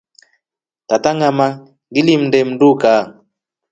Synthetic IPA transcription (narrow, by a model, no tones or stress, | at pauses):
tataŋama | ɡilim̩ndɛm̩duka